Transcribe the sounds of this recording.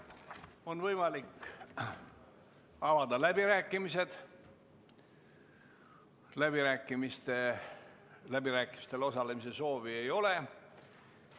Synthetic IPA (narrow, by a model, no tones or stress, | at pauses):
o̞nvɤjmɑlik | ɑvɑd̪ɑlæbiɾæːkːˑimise̞d̪̥ | læbiɾæːkˑːimist̪e̞ | læbiɾæːkˑːimist̪e̞lo̞sɑle̞mise̞so̞ːvie̞jo̞le̞